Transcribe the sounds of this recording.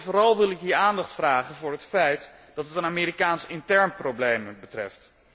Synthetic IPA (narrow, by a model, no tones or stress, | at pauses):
vʊːɾɑlˠʋɪlˠɪkɦiːɹaːndɑχtfraːχənvʊːɹɦətfɛjt | d̥ɑtɦətənaːmɪːɾikaːnsɪntɛɹnprowblejmbətrɛ̰ft